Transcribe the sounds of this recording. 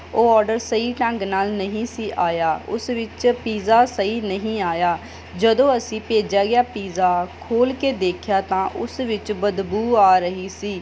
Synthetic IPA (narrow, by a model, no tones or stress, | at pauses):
oːɔːɾɖəɾsəiːʈɛ̃ːŋɡnaːlnəɦĩːsiːʔaːjaːʊsʋɪt͡ʃpiːzaːsəiːnəɦĩːaːjaː | d͡ʒəd̪õːəsĩːpeːd͡ʒaːɡɪjaːpiːzaːkʰoːlkeːd̪eːkʰjaːt̪ãːʔʊsʋɪt͡ʃbəd̪buːaːɾəɦiːsiː